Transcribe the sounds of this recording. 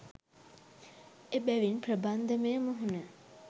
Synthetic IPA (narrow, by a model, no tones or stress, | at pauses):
ebæʋinprəband̪əmejməɦunə